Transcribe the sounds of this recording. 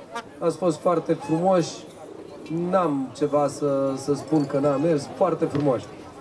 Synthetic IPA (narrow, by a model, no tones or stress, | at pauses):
at̪sfo̞st̪foart̪e̞fɾumo̞ʃʲ | namt͡ʃe̞vasəsəspunkənamesfoart̪e̞fɾumoʃʲ